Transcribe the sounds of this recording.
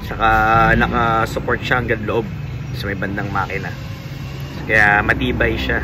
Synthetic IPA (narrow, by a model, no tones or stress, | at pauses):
t͡ʃɐkanɐkɐsʊpo̞ɹt̪̚ʃaɐŋɡɐd̪loʔo̞b̚ | ɐsɐmɐjbɐnd̪aŋmɐaːkɪnɐ | kɐjamɐt̪iːbɐjʃa